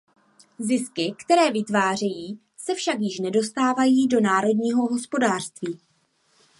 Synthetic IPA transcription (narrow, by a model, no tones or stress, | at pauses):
zɪskɪkt̪ɛɾɛːvɪt̪vaːr̝ɛjiː | sɛfʃakjɪʃnɛdo̞st̪aːvajiːdo̞naːɾo̞dɲiːɦo̞ɦo̞spo̞daːr̥st̪viː